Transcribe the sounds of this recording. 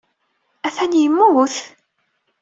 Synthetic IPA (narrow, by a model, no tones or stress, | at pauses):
æθænjəmːuθ